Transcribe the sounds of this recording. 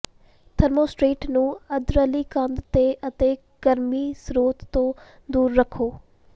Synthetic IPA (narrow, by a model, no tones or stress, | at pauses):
t̪ʰəɾmoːsʈɾiːʈnũːəd̪ɾəliːkənd̪t̪eːʔət̪eː | ɡ̥əɾmiːsɾoːt̪ːõː | d̪uːɾːəkʰːoː